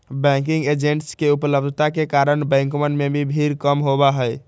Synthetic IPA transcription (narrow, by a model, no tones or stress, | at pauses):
bɛ̃ŋkiŋɡed͡ʒeɳʈskeupələb̚d̪ʱət̪akekaɾənbɛ̃ŋkomənmebʱibʱiɾkəmɦobaɦəj